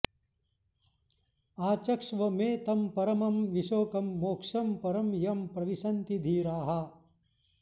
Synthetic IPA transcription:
aːt͡ʃɐkʂʋɐmeːt̪ɐmpɐɾɐmɐmʋiʃoːkɐmːoːkʂɐmpɐɾɐmjɐmpɾɐʋisɐnt̪id̪ʱiːɾaːɦɐ

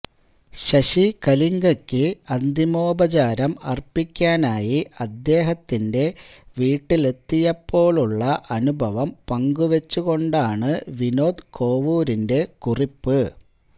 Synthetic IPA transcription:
ɕɐɕikɐliŋɡɐkʲːɨɐnd̪ʱimo̞ːbɐt͡ɕaːɾɐmɐrpikʲːaːnaːjiʔɐd̪ːe̞ːɦɐt̪ːinde̞ʋiːʈːile̞t̪ːijɐpːo̞ːɭuɭːɐʔɐnubʱɐʋɐmpɐŋɡuʋet͡ɕːuɣo̞ɳɖaːɳɨʋino̞ːd̪kʰo̞ːʋuːɾinde̞kuripːɨ

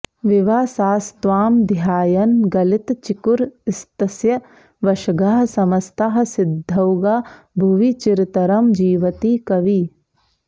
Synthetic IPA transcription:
ʋɪʋaːsaːst̪ʋaːmd̪jaːjɐnɡɐlɪt̪t͡ʃikuɾɪst̪ɐsjɐ | ʋɐʃɐɡaːɦsɐmɐst̪aɦɐ̆sɪd̪ʱːɐwɡaː | bʱuʋit͡ʃiɾt̪ɐɾɐmd͡ʒiːʋɐt̪ikɐʋiː

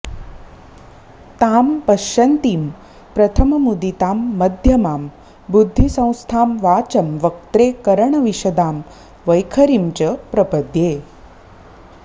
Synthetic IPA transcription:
t̪aːmpɐʃɐnt̪iːm | pɾɐt̪ʰɐmɐmud̪it̪aːmːɐd̪ʱjɐmaːm | bud̪ʱːisɐ̃w̃st̪ʰaːmʋaːt͡ʃɐmʋɐk̚t̪ɾeːkɐɾəɳɐʋiʃɐd̪aːm | ʋɐjkʰɐɾimt͡ɕɐpɾɐpɐd̪jeː

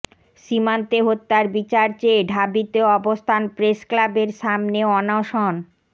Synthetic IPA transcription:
ʃimant̪eɦot̪ːaɾbit͡ɕaɾt͡ɕeɖʱabit̪eoɔbost̪ʰanpɾesklabeɾʃamneɔnoʃɔn

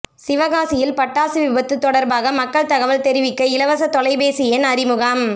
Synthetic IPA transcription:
sɪʋɐɣaːsɪjɪlpɐʈːaːsɯʋɪbɐt̪ːɯt̪ːɔɽɐɾbaːɣɐmɐkːɐɭt̪ɐɣɐʋɐlt̪ɛɾɪʋɪkːɐɪlɐʋɐsɐt̪ɔlɐɪbeːsɪjenɐɾɪmɯɣaːm

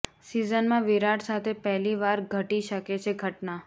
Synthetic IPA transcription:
sizənmãʋiɾaʈsat̪ʰepɛɦliʋaɾɡʱəʈiʃəket͡ʃʰeɡʱəʈna

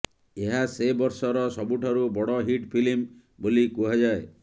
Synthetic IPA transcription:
eɦasebɔɾsɔɾɔsɔbuʈʰaɾubɔɽɔɦiʈpʰilim | bolikuɦad͡ʒae

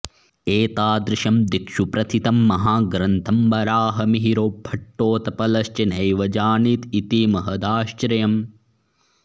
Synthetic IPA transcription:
eːt̪aːd̪ɾɪʃɐmd̪ikʃupɾɐt̪ʰit̪ɐmːɐɦaːɡɾɐnt̪ʰɐmbɐɾaːɦɐmiɦiɾoːbʱɐʈːoːt̪ɐpɐlɐʃt͡ʃɐnɐjʋɐd͡ʒaːniːt̪it̪iːmɐɦɐd̪aːʃt͡ʃɾɐjɐm

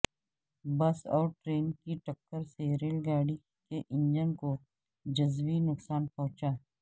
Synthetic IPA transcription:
bɐsɔːɾʈɾeːnkiʈɐkːəɾseɾeːlɡaːɽi | keʔɪ̃ɲd͡ʒənko | d͡ʒɐzʋinʊksaːnpɔʊt͡ʃaː

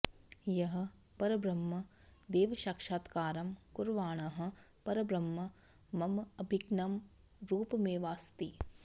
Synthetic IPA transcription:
jɐɦɐ̆ | pɐɾɐbɾɐmːɐ | d̪eːʋɐʃaːkʂaːt̪kaːɾɐmkuɾʋaːɳɐɦɐ̆pɐɾɐbɾɐmːɐ | mɐmɐbʱiɡnɐm | ɾuːpɐmeːʋaːst̪i

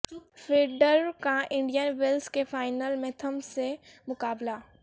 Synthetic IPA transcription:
fɾeːɖəɾkaʔɪ̃ɳɖijənʋelskefaːɪnəlmẽt̪ʰɐmsemʊkaːbla

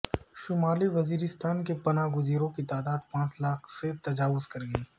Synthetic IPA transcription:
ʃʊmaːliʋɐziːɾɪst̪ʰaːnkepɐnaːɡʊziːɾõkit̪aːd̪aːd̪̚pãːt͡ʃlaːkʰset̪ɐd͡ʒaːʋʊzkɐɾɡəiː

